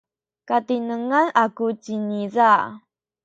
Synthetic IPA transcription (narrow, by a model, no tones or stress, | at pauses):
kat̪inəŋalakut͡ʃiniza